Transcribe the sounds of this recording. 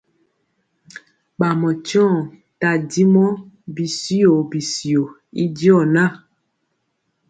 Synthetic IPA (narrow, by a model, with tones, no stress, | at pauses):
k͡pa˨mɔ̃˨t͡ʃɔ̃˦˨ | ta˨di˦mɔ̃˦ | bi˨si˦o˨bi˨si˨o˨ | ḭ˦d͡ʒi˦ɔ˦˨nã˦˨